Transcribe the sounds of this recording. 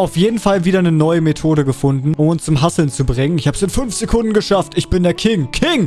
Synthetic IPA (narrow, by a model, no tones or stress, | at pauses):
aʊfjeːdn̩falviːdɐnənɔʏəmetʰoːɾəɡəfʊndn̩ʔʊmʊnst͡sʊmɦasl̩nt͡subʁɪŋənɪçhaːbəsɪnfʏnfz̥ekʰʊndn̩ɡəʃaftɪçb̥ɪndeɐkʰɪŋkʰɪŋ